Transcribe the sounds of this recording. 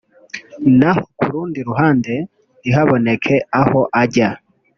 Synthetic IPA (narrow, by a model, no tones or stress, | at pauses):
nahokuɾuːndiɾuɦaːnde̞ | ɾiɦaβo̞ne̞kʰe̞aho̞ʔaɟa